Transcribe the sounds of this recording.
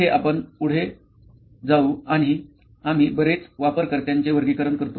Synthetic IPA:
ɦeʔapəɳpuɽ̤e | d͡zauaɽ̃iː | am̤iːbəɾet͡sʋapəɾkəɾt̪jaɲt͡ɕeʋəɾɡiːkəɾəɳkəɾt̪o

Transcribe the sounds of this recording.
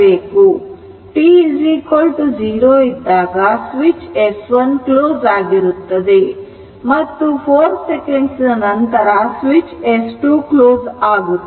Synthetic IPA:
eːku | ʈiːd͡ʒiːkolʈud͡ʒiːɾoːid̪ːaːɡaːsʋit͡ʃesʋɐnkloːd͡ʒaːɡiɾut̪ːɐd̪i | mɐt̪ːupʰoːɾsekeɳɖslɐnɐnt̪ɐɾasʋit͡ʃesʈuːkloːzaːɡut̪ː

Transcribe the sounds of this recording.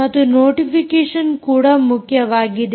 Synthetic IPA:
ɐt̪ːunoːʈifikeːʂɐnkuːɽɐmʊkjɐʋaːɡid̪e

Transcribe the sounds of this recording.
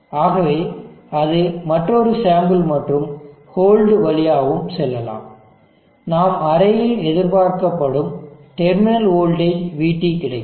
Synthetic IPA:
aːɣɐʋeːɐðɯmɐʈrɔɾɯsaːmbɯlmɐʈrɯm | hoːlɖʋɐɭɪjaːʋɯmsɛlːɐla̰ːm | naːmɐɾɐjɪlɛðɪɾpaːɾkɐpːɐɽɯmʈɛɾmɪnɐloːlɖɐɪʋiːʈːikːɪɽɐɪ

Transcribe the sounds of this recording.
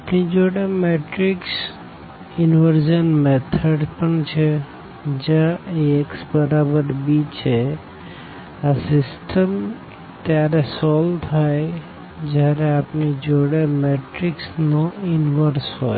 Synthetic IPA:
apnid͡ʒoɽemeʈɾiks | inʋəɾd͡ʒənmet̪ʰəɖpəɳt͡ʃʰe | d͡ʒaeksbəɾabəɾbit͡ʃʰe | asisʈʰəm | t̪jaɾesɔlt̪ʰaj | d͡ʒaɾeapnid͡ʒoɽemeʈɾiksnɔinʋəɾsɦɔj

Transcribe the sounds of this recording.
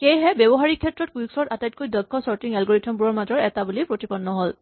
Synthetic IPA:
xejɦɛbjɛbɔɦaɹikʰːɛtɹɔt̚kuuksɔtatajt̚kojdɔkʰːɔsɔɹtiŋɛlɡɔɹitʰɔmbuɹɔɹmazɔɹɛtabulipɹotipɔnːɔɦol

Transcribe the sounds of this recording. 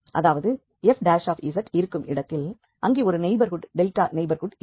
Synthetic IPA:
ʔɐðaːʋɐðɯ | ɛfɖaːʂaːfɪsɐʈɪɾɯkːɯmɪɽɐt̪ːɪl | ʔɐŋɡeːɔɾɯnɛɪbɐɾɣʊʈɖɛlʈaːnɛɪbɐɾɣʊʈ

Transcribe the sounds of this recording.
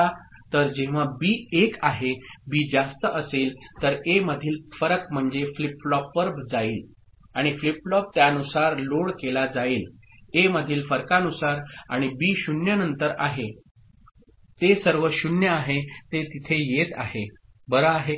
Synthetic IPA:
at̪əɾd͡ʑeʋ̤abiːekaɦebiːd͡zast̪əʔəselt̪əɾeməd̪ʱiːlfəɾəkm̤əɳd͡zeflipɭɔpːəɾbd͡zaiːl | aɽ̃ifliplɔp̚t̪jaənusaɾloɽkelad͡zaiːl | eməd̪ʱiːlfəɾkanusaɾaɽ̃ibiːɕunjənənt̪əɾaɦe | t̪esəɾʋəɕunjəaɦet̪et̪it̪ʰejet̪a̰ɦe | bəɾəaɦe

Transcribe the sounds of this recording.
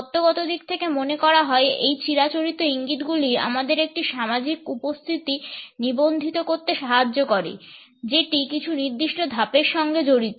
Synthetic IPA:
t̪oɡɔt̪od̪ik̚t̪ʰekemonekɔɾaɦɔeejt͡ɕiɾat͡ɕoɾit̪ːoiŋɡit̪ɡulia̰mad̪eɾek̚ʈiʃamad͡ʑikupost̪ʰit̪inibond̪ʱit̪okoɾt̪eʃaɦad͡ʑːokoɾḭ | d͡ʑeʈikit͡ɕʰuniɾd̪iʃʈod̪ʱapeɾʃɔŋɡed͡ʑoɾit̪o

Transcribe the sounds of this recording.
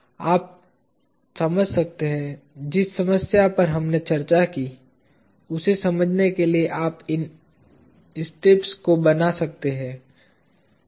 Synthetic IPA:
aːp̚ | sɐməd͡ʒʱsɐk̚t̪eɦɛ̃d͡ʒɪsːɐməsjapɐɾɦɐmnet͡ʃɐɾt͡ʃaki | ʊsesɐməd͡ʒʱnekelieʔaːpɪn | ɪsʈeːpskobɐnasɐk̚t̪eɦɛ̃ː

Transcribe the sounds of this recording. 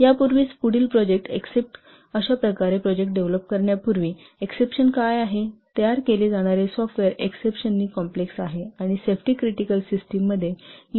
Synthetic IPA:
japuɾʋiːspuɽiːlpɾɔd͡ʑek̚ʈḛksep̚ʈ | əɕapɾəkaɾepɾɔd͡ʑek̚ʈ̚ɖeʋləp̚kəɾɳjapuɾʋiː | eksepɕənkajaɦet̪jaɾkeled͡zaɽ̃aɾesɔfʈʋeɾeksepɕənːiːkɔmpleksaɦeaɽ̃isefʈiːkɾiʈikəlsisʈimːəd̪ʱːje

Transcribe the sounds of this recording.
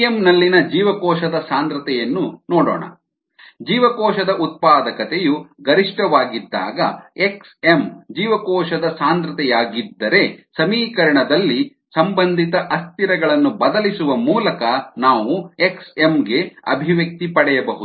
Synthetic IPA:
emnɐlːinɐd͡ʒiːʋɐkɔːʃɐd̪ɐsaːnd̪ɾɐt̪ɛjɐnːunɔːɽoːɳɐ̰ | d͡ʒiːʋɐkɔːʃɐd̪ɐʔut̪̚paːd̪ɐkɐt̪ejuɡɐɾiʂʈɐʋaːɡid̪ːa̰ːɡɐ̰eksemd͡ʒiːʋɐkɔːʃɐd̪ɐsaːnd̪ɾɐt̪ɛjaːɡid̪ːɐɾe̞sɐmiːkɐɾɐɳɐd̪ɐlːi | sɐmbɐnd̪ʱit̪ɐʔɐst̪iɾɐɡɐɭɐnːubɐd̪ɐlisuʋɐmuːlɐkɐnaːʋueksemɡe̞ɐ̰bʱiʋjɐk̚t̪ipɐɽɛjɐbɐɦud̪u

